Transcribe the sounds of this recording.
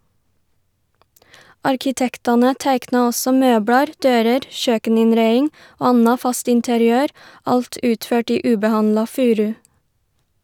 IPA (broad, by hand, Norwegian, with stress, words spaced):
ɑɾkɪˈtɛktɑnə ˈtæɪknɑ ˈɔsɔ ˈmøːbɽɑɾ ˈdøːɾəɾ ˈʃøːkənɪnˌɾæɪɪŋ ˈoː ˈɑnɑ ˈfɑst ɪntəɾɪˈøːɾ ˈɑlt ˈʉːtˌføːʈ ˈiː ˈʉːbəˌhɑnlɑ ˈfʉːɾʉ